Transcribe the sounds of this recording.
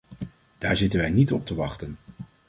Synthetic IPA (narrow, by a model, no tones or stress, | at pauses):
d̥aːɹzɪtənʋɛjnitɔp̚təʋɑχtən